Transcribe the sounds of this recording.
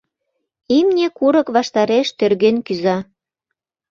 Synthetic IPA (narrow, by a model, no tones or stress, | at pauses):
imnʲekuɾəkβɑʃt̪ɑɾeʃt̪ørɣenkyzɑ